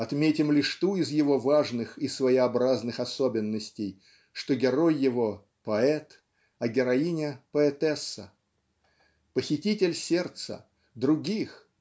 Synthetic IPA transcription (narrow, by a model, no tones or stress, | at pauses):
ɐt̪mʲetʲɪmlʲɪʂt̪uɪzjɪvo̞vaʐnɨxisvəɪɐbɾaznɨxɐsobʲɪnːəsʲtʲɪj | ʂt̪oɡʲɪɾo̞jːɪvo̞ | pɐɛt̪ | ɐɡʲɪɾɐinʲɪpəɛt̪ɛsːə | pəxʲɪtʲitʲɪlʲsʲe̞rt̪sə̰ | d̪ɾʊɡʲix